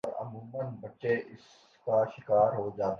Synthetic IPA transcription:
ɔɾɐ̰muːmənbɐʈːʃeʔɪs | kaʃɪkaːɾɦod͡ʒaːt̪

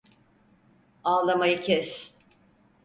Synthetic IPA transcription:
alˠamajɯcʰɛs

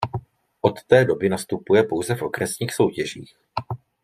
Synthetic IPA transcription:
ʔo̞t̪ːɛːdo̞bɪnast̪upujɛpo̞wzɛfʔo̞kɾɛsɲiːxso̞wcɛʒiːx

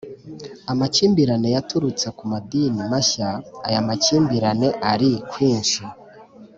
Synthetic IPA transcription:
amat͡ʃiːmbiɾane̞jatuɾut͡se̞kumadinimaçaːjamat͡ʃiːmbiɾane̞ʔaɾikwiːnʃi

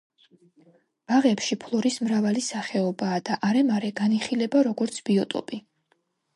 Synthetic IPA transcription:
b̥aʁɛpʃipʰlˠɔɾismɾavalisaχɛɔbaːd̪aʔaɾɛmaɾɛɡaniχilɛbaɾɔɡɔɾt̪sʰb̥iɔt̪ʼɔ̰pʼi

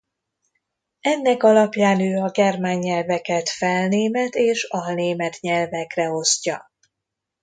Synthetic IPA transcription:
ɛnːɛkɒlɒpjaːnøːɒɡɛrmaːɲːɛlvɛkɛt̪fɛlneːmɛt̪eːʃɒlneːmɛt̪ɲɛlvɛkrɛo̞scɒ

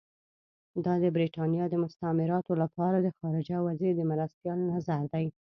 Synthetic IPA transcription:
d̪ɑd̪əbɾiʈɑnjɑd̪əmʊst̪amɪɾɑt̪olapʰɑɾad̪əxɑɾɪd͡ʒawazed̪əmaɾast̪jɑlnazaɾd̪aj

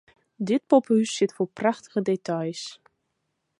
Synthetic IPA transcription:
dɪt̚pɔphysːɪtfoːɹpraχtə̥ɣədetajs

